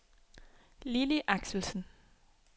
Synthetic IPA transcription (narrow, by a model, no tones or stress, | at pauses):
liliʔɑɡ̥sl̩sn̩